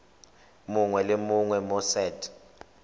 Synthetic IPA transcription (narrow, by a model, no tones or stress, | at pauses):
muŋwɛlemuŋwɛmɔsɛːtʰʼ